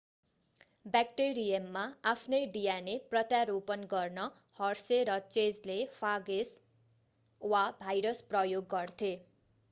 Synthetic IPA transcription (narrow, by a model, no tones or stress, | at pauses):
bakʈeɾijʌmːaapʰnʌjɖijaneprʌt̪jaɾopʌnɡʌrnʌ | hʌrseɾʌt͡sed͡zlepʰaɡes | wabʱajɾʌsprʌjoɡːʌrt̪ʰe